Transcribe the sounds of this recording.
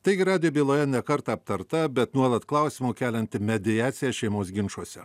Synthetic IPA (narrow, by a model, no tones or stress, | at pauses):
t̪ɐɪɡʲɪɾɑːd̪ʲɪjobʲiːlˠoːjɛnʲɛkɐɾt̪ɑɐp̚t̪ɐɾt̪ɐbʲɛt̪nuɔlˠɐt̪klˠɐʊsʲiːmuːkʲæːlʲɛnʲt̪ʲɪmʲɛd̪ʲɪjæːt̪sʲɪjæʃʲɛɪmoːsɡʲɪnʃuɔsʲɛ